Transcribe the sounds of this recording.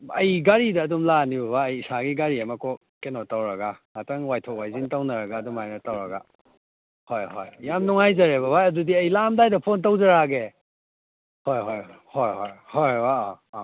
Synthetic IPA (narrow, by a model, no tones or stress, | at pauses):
ɐ̰jɡaɾidɐːdumlanibɐβaːjisaɡiɡaɾiɐmɐko | kenotawɾɐɡaŋatɐŋwajtʰok̚wajzintawnɐɾɐɡaːdumajnɐtawɾɐɡa̰ | hojɦo̰jːamnuŋajzɐɾeβɐbajɐdudiɐjlamdajdɐpʰontawzɐɾaɡe | hojɦojojhojɦojhojwaɔ